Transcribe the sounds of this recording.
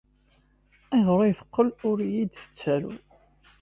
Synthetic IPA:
æʁɾˤɑjθə̥qːəlʊɾjid̪θə̥t͡sːælṵ

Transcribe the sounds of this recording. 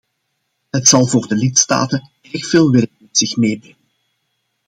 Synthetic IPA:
ɦətsɑlˠvoːrdəlitsta̰ːtən | ɛrxfeːlˠʋɪrkəmɛtsɪxmeːbrɛŋən

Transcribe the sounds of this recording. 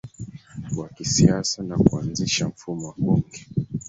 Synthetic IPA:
wakisiasanakuanziʃam̩fumɔwaɓuŋɡɛ

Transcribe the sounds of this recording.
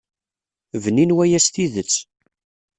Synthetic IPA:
vninwæjæsθiðət͡sː

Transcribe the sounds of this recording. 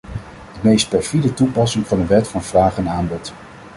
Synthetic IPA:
d̥əmejst̚pɛɹfidətupɑsɪŋvɑndəʋɛtfɑnv̥raːχɛnaːmbɔt

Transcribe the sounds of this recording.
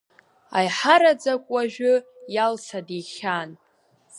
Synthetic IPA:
a̰jħaɾad͡zakʷʼwaʒᶣʊ | jalsʰadiχʲan

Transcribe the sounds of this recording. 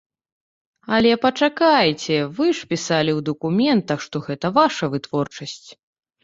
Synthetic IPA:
ɐlʲɛpɐt͡ʂakajt͡sʲɛvɨʂpʲisalʲiwd̪ɐkumʲɛnt̪ɐxʂt̪ɔɣɛt̪ɐvaʂɐvɨt̪vɔrt͡ʂɐsʲt͡sʲ

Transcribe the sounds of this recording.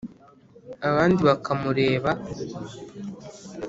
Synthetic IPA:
aβaːndiβakʰamuɾe̞ːβa

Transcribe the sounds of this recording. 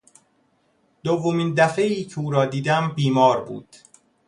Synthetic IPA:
d̪̥ovːomind̪æfeiːcʰeuːɾɒːd̪iːd̪æmbiːmɒːɾbṵːd̪̥

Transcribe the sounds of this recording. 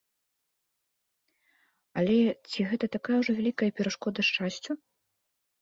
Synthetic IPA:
ɐlʲɛt͡sʲiɣɛt̪ɐt̪akajɐwʐɔvʲælʲikɐjɐpʲɛɾaʂkɔd̪ɐʂt͡ʂasʲt͡sʲu

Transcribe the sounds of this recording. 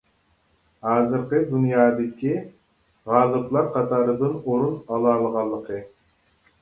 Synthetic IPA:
hɑːzɨɾqəd̪unjɑːd̪ɪkʲi | ʁɑːlˠɨplˠɑɾqʰɑt̪ʰɑːɾɨd̪ɨnoɾunɑlˠɑːlˠəʁɑlˠːəqʰɨ

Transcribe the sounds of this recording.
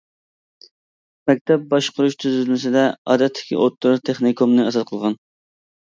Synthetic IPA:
mɛk̚ʲt̪ʰɛp̚bɑʃqʊɾuʃt̪ʰyzɪlmɪsɪd̪ɛɑ̰ːd̪ɛt̪ʰːɪ̥kʲḭʔot̪luɾt̪ʰeχnikʰomnɨɑzɑt̪̚qʰəlˠʁɑn

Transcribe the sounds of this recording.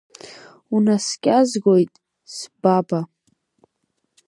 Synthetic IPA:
unaskʲʼazɡojtʼ | sbaba

